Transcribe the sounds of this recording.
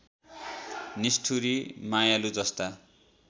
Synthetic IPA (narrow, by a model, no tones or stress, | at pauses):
nisʈʰuɾimajalud͡zʌst̪a